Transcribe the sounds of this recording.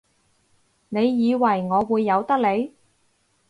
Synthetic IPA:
ne˨˧jːiː˨˧wɐ˨˩jŋɔː˨˧wuː˨˧jːɐ˨˧wt̪ɐ˥k̚le˨˧j

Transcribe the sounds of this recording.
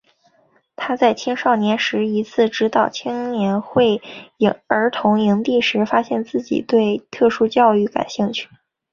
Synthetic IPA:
t̪ʰa˥t͡sa˥˩ɪt͡ɕʰi˥ŋʂɑ˥˩ʊnjɛ˧˥nʂɻ̩˧˥i˧˥t͡sʰɹ̩˥˩ʈ͡ʂɻ̩˧˥t̪ɑ˨˩ʊt͡ɕʰi˥ŋnjɛ˧˥nxwe˥˩ɪ˧˥ŋə˞˧˥t̪ʰʊ˧˥ŋi˧˥ŋt̪i˥˩ʂɻ̩˧˥fa˥ɕjɛ˥˧nt͡sɹ̩˥˩t͡ɕḭ˨˩t̪we˥˧ɪt̪ʰɤ˥˩ʂu˥t͡ɕjɑ˥˧ʊy˥˩ka̰˨˩nɕi˥˧ŋt͡ɕʰy̥˥˩

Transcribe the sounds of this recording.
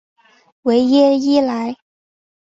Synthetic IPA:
we˧˥ɪjɛ˥i˥la˧˥ɪ

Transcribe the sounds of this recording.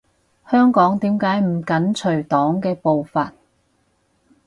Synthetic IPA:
hœː˥ŋkɔː˨˥ŋt̪iː˨˥mkaː˨˥jm̩˨˩kɐ˨˥nt͡ʃʰɵ˨˩ɥt̪ɔː˨˥ŋkɛː˧po˨wfaː˨t̚

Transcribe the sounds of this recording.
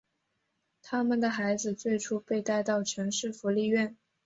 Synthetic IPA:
t̪ʰa˥mə˨nd̪ə˩xa˧˥ɪd͡zɹ̩˧t͡swe˥˩ɪʈ͡ʂʰu˥pe˥˧ɪt̪a˥˧ɪt̪ɑ˥˩ʊʈ͡ʂʰɤ˧˥ŋʂɻ̩˥˩fu˧˥li˥˧ɥɛ˥˩n

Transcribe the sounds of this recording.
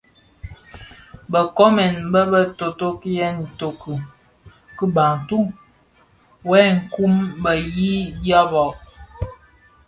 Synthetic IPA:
bə˨kɔ˦mɛ˨nbə˦bə˦to˨to˦ki˦jɛ˦ni˨to˨kʰə˨ | kə˦ba˨ŋtu˦ | wɛ˦ŋ̩˨ku˦mbə˨ji˦dja˦bɔ˨ʔ

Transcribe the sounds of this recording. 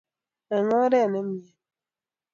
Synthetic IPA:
ɛ˨ŋɔ˦ɾɛ˦˨nɛ˦mjɛ˨

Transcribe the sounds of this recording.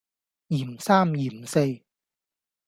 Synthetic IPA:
jiː˨˩msaː˥mjiː˨˩˨se˧j

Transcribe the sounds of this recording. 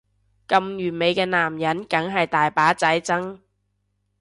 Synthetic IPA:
kɐ˨mjyː˨˩nme˨˧jkɛː˧naː˨˩mjɐ˨˥nkɐ˨˥ŋɦɐ˨jt̪aː˨jpaː˨˥t͡sɐ˨˥jt͡sɐ˥ŋ

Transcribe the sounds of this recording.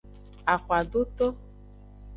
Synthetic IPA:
a˨xwa˨ɖo˦t̪o˦

